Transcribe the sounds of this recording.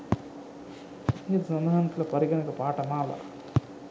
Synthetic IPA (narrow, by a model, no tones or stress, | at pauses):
it̪sɐnaːnt̪ulɐpɐɾiɡɐnɐkɐpaːʈɐmaːlɐ̰